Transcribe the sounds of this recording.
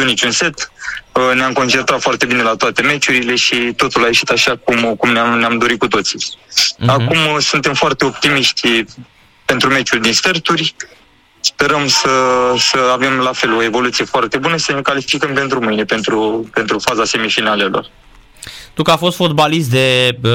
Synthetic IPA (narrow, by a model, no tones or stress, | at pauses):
unit͡ʃunse̞t̪ | neamko̞nt͡ʃe̞nt̪ɾat̪foart̪e̞bine̞lat̪oat̪e̞me̞t͡ʃuɾile̞ʃit̪o̞t̪ulae̞ʃi̥t̪aʃakumkumneamneamd̪o̞ɾit̚kut̪o̞t̪si̥ | akumsunt̪e̞mfoart̪e̞o̞p̚t̪imiʃt̪ʲ | pe̞nt̪ɾume̞t͡ʃuld̪insfert̪urʲ | spe̞ɾəmsəsəave̞mlafe̞lo̞e̞vo̞lut̪sije̞foart̪e̞bunəisəne̞kalifikəmpe̞nt̪ɾumɨjne̞pe̞nt̪ɾupe̞nt̪ɾufazase̞mifinale̞lo̞̰r | t̪ukəafo̞st̪fod̪̚balist̪̚d̪e̞